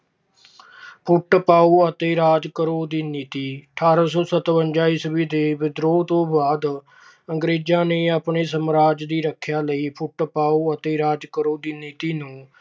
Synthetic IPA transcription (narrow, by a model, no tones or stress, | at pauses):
pʰʊʈpaːuːət̪eːɾaːd͡ʒ̪kəɾoːd̪iːniːt̪iːəʈʰaːɾaːs̬ɔːsət̪ʋəɲd͡ʒaːiːsəbiːd̪eːʋɪd̪ɾoːt̪õːbaːd̪ | əŋɡɾeːd͡ʒãːneːapɳeːsəmɾaːd͡ʒd̪iːɾəkʰjaːləiːpʰʊʈːpaːuːət̪eːɾaːd͡ʒkəɾoːd̪iːniːt̪iːnũː